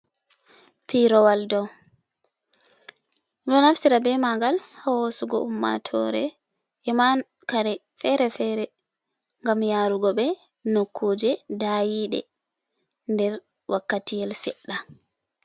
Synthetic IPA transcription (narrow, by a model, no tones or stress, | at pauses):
piɾɔwaldɔw | ɗɔnafsiɾabɛmaɡalhɔwosuɡɔ̰ʔumːa̰tʰɔ̰ɾɛ̰ | ʔɛman | kaɾɛ | fɛɾɛfɛɾɛ | ŋɡamjaɾuɡɔɓɛ | nokʰːoːd͡ʒɛdajiɗɛ̰ | ndɛɾ | wʔakːatijɛlsɛɗːa